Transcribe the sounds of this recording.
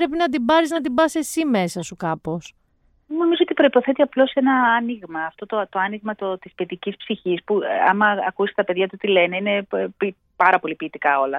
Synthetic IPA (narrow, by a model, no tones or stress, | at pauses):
ɾe̞pinɐd̪̬ibɐɾiznɐt̪̬ibɐse̞sime̞sɐsukɐpo̞s | no̞mizoot̪ipɾo̞ipo̞θe̞t̪iɐplo̞se̞nɐɐniɣmɐːft̪o̞t̪ot̪oɐniɣmɐt̪ot̪ispiðicispsiçispuɐ̰mɐɐkuset̪ɐpe̞ðʝɐt̪ut̪ile̞neine̞pi | pɐɾɐpo̞lipiːt̪ikɐo̞lɐ